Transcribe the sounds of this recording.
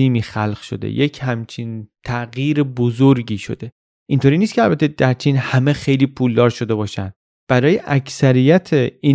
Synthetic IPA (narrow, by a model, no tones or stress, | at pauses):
iːmiːxælɢ̥ʃo̞̰d̪ḛjecʰhæmt͡ʃʰint̪ʰæʔɣjiːɾebozoɾɟiːʃo̞̰d̪̥e | ʔint̪oːɾiːnist̪cʰeælbæt̪ʰːe̞d̪æɾt͡ʃʰiːnhæme̞xe̞jliːpʰuːld̪ɒːɾʃo̞d̪e̞bɒːʃæ̰n | b̥æɾɒːjeʔæcʰsæɾijæt̪ʰeiː